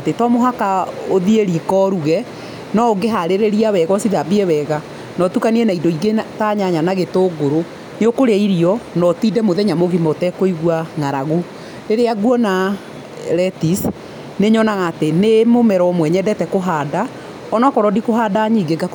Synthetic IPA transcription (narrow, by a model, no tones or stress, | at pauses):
atetɔmoɦakaoðieɾikɔɾuɣɛ | nɔoɡeɦaɾeɾeɾiawɛɣɔsiðabiɛwɛɣa | nɔtukaniɛnaidoiɡetaɲaɲanaɣetoːɡoɾo | neokoɾeaiɾiɔnɔtiːdɛmoðɛɲamoɣimɔtɛkoiɣwaŋaɾaɣo | ɾeɾeaɡwɔna | ɾɛtis | neɲɔnaɣaːtenemomɛɾɔɔmwɛɲɛdɛtɛkoɦaːda | ɔnɔkɔɾɔdikoɦaːdaɲiɡeɡa